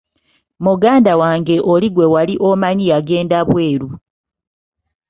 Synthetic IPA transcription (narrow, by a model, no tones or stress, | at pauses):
muɡaːndawaːŋɡe̞ʔoliɡwe̞waliʔo̞maɲijaɡe̞ːndaβwe̞ːɾu